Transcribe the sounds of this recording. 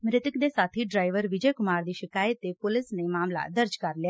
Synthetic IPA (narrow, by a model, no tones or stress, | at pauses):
mɾɪt̪əkd̪eːsaːt̪ʰiːɖɾaːɪʋəɾʋɪd͡ʒəjkʊmaːɾd̪iːʃɪkaːjət̪eːpʊlɪsnẽːmaːmla̰ːd̪əɾd͡ʒkəɾlɪa